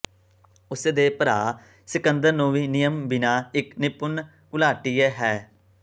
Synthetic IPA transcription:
ʊsed̪eːpəɾaː | sɪkənd̪əɾnũːʋiːnɪjəmbɪnaːɪknɪpʊn | kʊlaːʈiːeːɦɛː

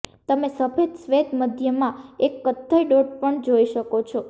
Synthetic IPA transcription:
t̪əmesəpʰed͡ʒ̪sʋed̪məd̪ʱjəmãekːət̪ʰːəjɖoɖ̚pəɳd͡ʒoiʃəkot͡ʃʰɔ

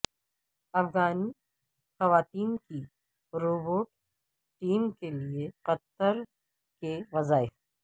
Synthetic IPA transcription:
ɐfɣaːni | xɐʋaːt̪iːnki | ɾoːboːʈ | ʈiːmkelieqɐt̪əɾ | keʋɐzaːɪf

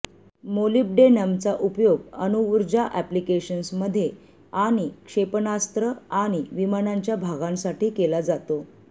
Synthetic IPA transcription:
molip̚ɖenamt͡saʔupjoɡənuʋuɾd͡ʑaʔæplikeɕənsməd̪ʱːje | aɽ̃ikʂepnast̪ɾəaɽ̃iʋimanaɲt͡ɕjabʱaɡãnsaʈiːkelad͡zat̪o

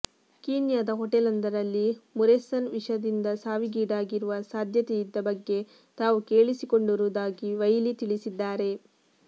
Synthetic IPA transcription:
kiːnjaːd̪ɐɦoʈɛlɐnd̪ɐɾɐlːimuɾesɐnʋiʂɐd̪ind̪ɐsaːʋiɡiːɖaːɡiɾuʋɐsaːd̪ʱjɐt̪ɛjid̪ːɐbɐɡːe̞ | t̪aːʋuke̞ːɭisiko̞ɳɖuɾud̪aːɡiʋɐjlit̪iɭisid̪ːaːɾe̞

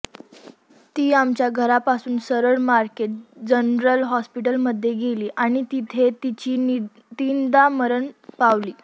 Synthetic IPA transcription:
t̪iːamt͡ɕjaɡʱəɾapasuːnsəɾəɭmaɾkeʈ̚d͡ʑənɾəlɦɔspiʈəlməd̪ʱːjeɡeliːʔaɽ̃it̪it̪ʰet̪it͡ɕiː | t̪ind̪aməɾəɳpaʋliː

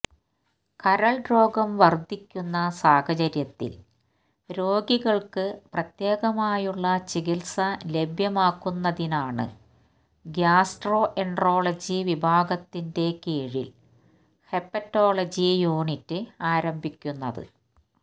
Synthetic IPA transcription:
kɐɾɐɭɖro̞ːɡɐmʋɐrd̪ʱikʲːunːɐsaːhɐt͡ɕɐɾjɐt̪ːḭl | ɾo̞ːɡiɣɐɭkɨprɐt̪jeːɣɐmaːjuɭːɐt͡ɕiɡilsɐle̞bʱjɐmaːkːunːɐðinaːɳɨ̰ | ɡjaːsʈro̞ːʔeɳɖro̞ːɭɐd͡ʑiʋibʱaːɡɐt̪ːinde̞keːɻḭl | he̞pːɐtːo̞ːɭɐd͡ʑijuːɳitːɨaːɾɐmbʱikʲːunːɐðɨ̰

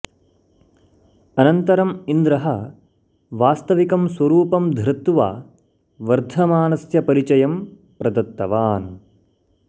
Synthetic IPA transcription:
ɐnɐnt̪ɐɾɐmind̪ɾɐɦɐ | ʋaːst̪ɐʋikɐmswɐɾuːpɐmd̪ʱɾɐt̪ːuʋa̰ː | ʋɐɾd̪ʱɐmaːnɐsjɐpɐɾit͡ʃɐjɐm | pɾɐd̪ɐt̪ːɐʋaːn

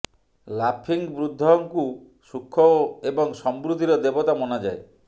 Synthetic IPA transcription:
lapʰiŋbɾud̪ʱːɔŋku | sukʰːɔebɔŋsɔmbɾud̪ʱiɾɔd̪ebɔt̪amɔnad͡ʒae

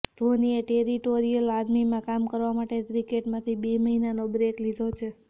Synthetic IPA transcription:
t̪onieʈeɾiʈoɾijəlaɾmimãkamkəɾʋamaʈet̪ɾikeʈmãt̪ʰibeməɦinanobɾeklid̪ʱot͡ʃʰe

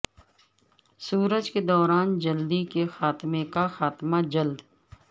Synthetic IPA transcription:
suːɾəd͡ʒked̪ɔːɾaːnd͡ʒɐld̪ikexaːt̪mekaxaːt̪mad͡ʒɐld̪

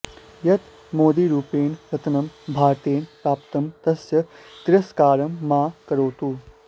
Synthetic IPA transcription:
jɐt̪ | moːd̪iːɾuːpeːnkɐt̪nɐmbʱaːɾt̪eːnpɾaːp̚t̪ɐmt̪ɐsjɐt̪ɪɾɐskaːɾɐmːaːkɐɾoːt̪uː

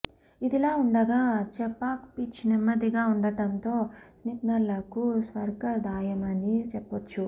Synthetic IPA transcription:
id̪ilaːuɳɖɐɡaːt͡ʃɛpːaːkpit͡ʃːinɐmːɐd̪iɡaːuɳɖɐʈɐnt̪o̞ːsnipnɐlːɐkusʋɐɾkɐd̪ʱaːjɐmɐnit͡ʃɛpːɐt͡ʃːu

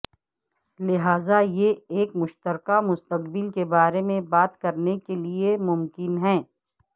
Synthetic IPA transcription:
lɪɦaːzajeeːkmʊʃt̪əɾkamʊst̪əqbɪlkebaːɾemẽbaːt̪kɐɾnekeliemʊmkɪnɦɛ̃ː

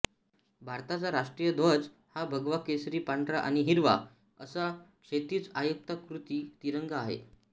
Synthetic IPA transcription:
bʱaɾt̪at͡saɾaʂʈɾijəd̪ʱʋəd͡z | habʱəɡʋakesɾiːpaɳɖɾaʔa̰ɽ̃iɦiɾʋa̰ | əsakʂet̪iːt͡sajək̚t̪akɾut̪iːt̪iɾəŋɡaaɦḛ

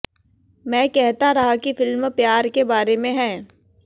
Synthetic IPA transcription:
mɛ̃ːkɛɦt̪aɾɐɦakifɪlmpjaːɾkebaːɾemẽɦɛ̃ː

